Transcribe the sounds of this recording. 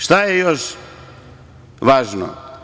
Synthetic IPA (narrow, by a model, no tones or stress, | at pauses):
ʃt̪ajejoʃ | ʋaːʒno̰